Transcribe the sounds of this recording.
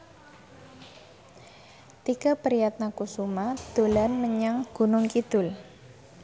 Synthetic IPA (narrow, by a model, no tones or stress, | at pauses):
t̪ikapəɾijat̪̚nakusumad̪̥o̤lanməɲaŋɡ̥ṳnʊŋkid̪̥ʊl